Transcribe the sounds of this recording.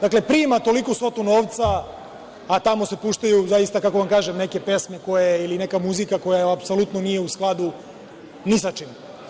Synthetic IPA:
d̪akle̞pɾiːmat̪o̞likoso̞t̪uno̞ːʋt̪saː | t̪amo̞se̞puʃt̪ajuzajist̪akako̞ʋamkaːʒemne̞ke̞pe̞sme̞ko̞jeiline̞kamuzikako̞jaapsolut̪nonije̞usklˠad̪u | nisat͡ʃim

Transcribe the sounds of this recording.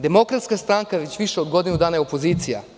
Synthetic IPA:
d̪e̞mo̞kɾat̪skast̪ɾaŋkaʋet͡ɕʋiʃeod̪ɡo̞d̪inud̪aːnajeo̞po̞ziːt̪sija̰

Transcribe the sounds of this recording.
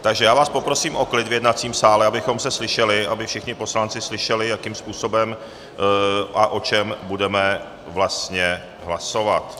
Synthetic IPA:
t̪aɡʒɛjaːvaːspopɾo̞siːmʔo̞klɪt̪vjɛdnat͡siːmsaːlɛabɪxo̞msɛslɪʃɛlɪʔabɪfʃɪxɲɪpo̞slant͡sɪslɪʃɛlɪjakiːmspuːso̞bɛm | ʔaʔo̞t͡ʃɛmbudɛmɛ | vlast̪ɲɛ | ɦlaso̞vat̪

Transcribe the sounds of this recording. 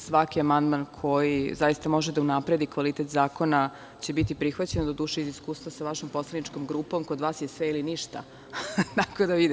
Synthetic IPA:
sʋakiamand̪mankʰo̞jizajist̪amo̞ʒed̪aunapɾe̞d̪ikʋalit̪et̪zaːko̞na | t͡ɕe̞bit̪ipɾixʋat͡ɕe̞nod̪od̪uːʃeiziskuːst̪vʋasaʋaʃomposlenit͡ʃkomɡɾuːpo̞mkod̪ʋaːsjesʋeiliniʃt̪a̰ | t̪akod̪aʋid̪

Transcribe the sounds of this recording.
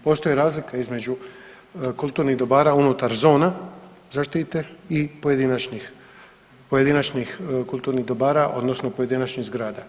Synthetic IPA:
po̞ːst̪o̞jiɾaːzlikaizme̞d͡ʒu | kulˠt̪uːɾniɣd̪o̞baːɾaunut̪aɾzo̞ːna | zaʃt̪it̪eipo̞je̞d̪inat͡ʃɲix | poje̞d̪inat͡ʃɲixkulˠt̪uːɾniɣd̪o̞baːɾaʔo̞̰d̪no̞snopo̞je̞d̪inat͡ʃɲiɣzɡɾaːd̪a

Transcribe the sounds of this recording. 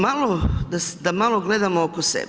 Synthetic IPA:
malod̪asd̪amalˠoɡled̪amookosḛb

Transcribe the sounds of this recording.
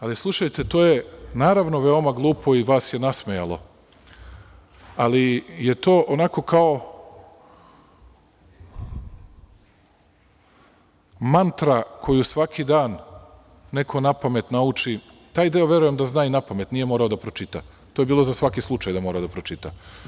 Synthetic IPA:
alislˠuʃajt̪e̞t̪o̞ːjenaːɾaʋno̞ʋeo̞maɡlˠuːpʰo̞iʋaːsje̞nasmeja̰lˠo̞̰ | alije̞t̪o̞ːʔonako̞kao̞ | mant̪ɾakʰo̞jusʋakʰid̪aːnː | e̞kʰo̞napame̞t̪naut͡ʃi | t̪aːjd̪eoʋje̞ɾuje̞md̪aznaːinapame̞t̪nije̞moːɾaod̪apɾot͡ʃit̪a | t̪oje̞biːlˠo̞zasʋakislˠut͡ʃajd̪amo̞ːɾaod̪apɾot͡ʃit̪a

